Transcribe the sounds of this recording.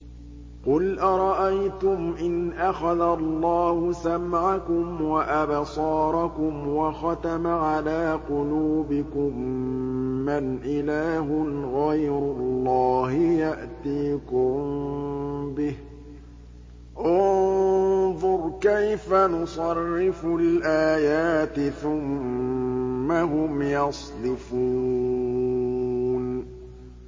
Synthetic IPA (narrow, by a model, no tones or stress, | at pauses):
qʊlʔɑɾˤɑʔajt̪ʊmʔɪnʔaxaðalˤːɑːhʊsamʕakʊmwaʔabsˤɑːɾˤɑkʊmwɑxɑt̪amaʕalaːqʊluːbɪkʊmː | anʔɪlaːɦʊnɣajɾʊlˤːɑːhɪjaʔt̪iːkʊm | bɪh | ʔʊnnðˤʊɾˤkajfanʊsˤɑrːɪfʊlʔaːjaːt̪ɪθʊm | aɦʊmjɑsˤd̪ɪfuː | n